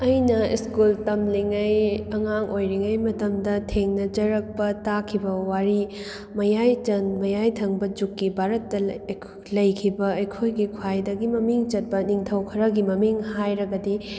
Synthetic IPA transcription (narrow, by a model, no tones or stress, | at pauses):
ɐjnɐḭskultɐmliŋɐjɐŋaŋʔojɾiŋɐjmɐtɐmdɐtʰeŋnɐd͡ʒɐɾɐk̚pɐtakʰibɐwaɾi | mɐjajt͡ʃɐnmɐjajtʰɐŋbɐd͡ʒukːibʱaɾɐtːɐ | lɐjkʰibɐːjkʰojɡikʰwajdɐɡimɐmiŋt͡ʃɐt̚pɐniŋtʰɐwkʰɐɾɐɡimɐmiŋhajɾɐɡɐdi